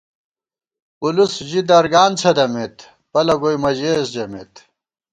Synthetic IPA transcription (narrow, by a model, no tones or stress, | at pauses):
ulusʑid̪ɐɾɡaːnt͡sʰɐd̪ɐmet̪ | pɐlɐɡojmɐʑeːsd͡ʑɐmḛːt̪